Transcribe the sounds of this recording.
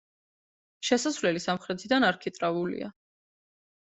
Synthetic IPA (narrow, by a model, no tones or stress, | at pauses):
ʃɛsasvlɛlisamχɾɛt̪ʰid̪anaɾkʰit̪ʼɾavulḭa̰